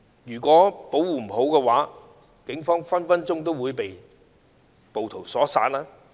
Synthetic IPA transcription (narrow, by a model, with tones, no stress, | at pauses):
jyː˨˩kʷɔː˨˥po˨˥wwuː˨˩m̩˨˩ɦo˨˥wkɛː˧waː˨˥ | kɪ˨˥ŋfɔː˥ŋfɐ˥nfɐ˥nt͡sʊ˥ŋt̪o˥wuː˨˧jpe˨j | po˨wt̪ʰo˨˩wsɔː˨˥sa̰ː˧t̚laː˥